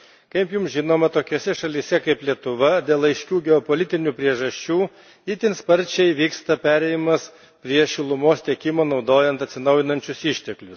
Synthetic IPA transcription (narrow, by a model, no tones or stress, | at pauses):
kɐɪpjʊmʒʲɪnoːmɐt̪oːkʲoːsʲɛʃɐlʲiːsʲɛkɐɪplʲiɛt̪ʊʋɐd̪ʲeːlˠɐɪʃʲkʲuːɡʲɛɔpolʲɪt̪ʲɪnʲuːpʲɾʲiɛʒɐʃʲt͡ʃʲuː | ɪt̪ʲɪnspɐɾʲt͡ʃʲɛɪʋʲiːkst̪ɐpʲæːɾʲɛɪɪmɐs | pʲɾʲiɛʃʲɪlˠʊmoːst̪ʲɛkʲɪmoːnɒʊd̪oːjɛnt̪ɐt̪sʲɪnɐʊjɪnɐnʲt͡ʃʲʊsɪʃʲt̪ʲɛklʲʊs